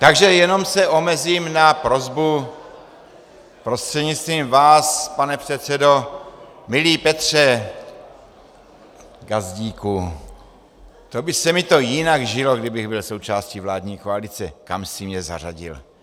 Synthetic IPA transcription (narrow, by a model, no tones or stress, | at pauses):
t̪aɡʒɛjɛno̞msɛʔo̞mɛziːmnapɾozbu | pɾost̪r̥ɛdɲit͡st̪viːmvaːspanɛpr̥ɛt̪sɛdo̞ | mɪliːpɛt̪r̝̥ɛ | ɡazɟiːku | t̪o̞bɪsɛmɪt̪o̞jɪnaɡʒɪlo̞ɡdɪbɪɣbɪlsowt͡ʃaːscivlaːdɲiːkoalit͡sɛkamsɪmɲɛza̰raɟɪ̰l